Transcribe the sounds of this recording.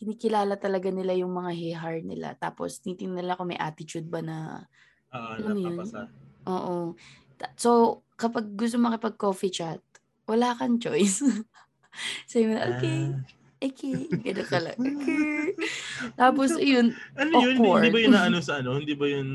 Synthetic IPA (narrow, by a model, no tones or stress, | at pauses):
kɪniːkɪlaːlɐt̪ɐlɐɡanɪlajʊŋmɐŋaɦɛɦɐɹ̚nɪ̰la̰t̪a̰ːpo̰sɪniːt̪ɪŋnɪlɐkomɐjʔa̰ːt̪ɪt͡ʃud̪̚bɐnɐ | ʔɐnɐnojonʔoːʔo | t̪so̞ | kɐpaɡ̚ːʊs̬t̪omɐkɪpɐɡ̚koːfit͡ʃat̪̚ | wɐlaːkɐnt͡ʃojs | sɐjmɐnɐʔo̰kej | ʔokʰɛɡɐnokɐlɐ̰ʔokɛ | t̪aːposɪjʊnʔɐnojʊoɹd̪ibɐjʊnaːʔɐnosɐʔɐnohɪnd̪ibɐjʊn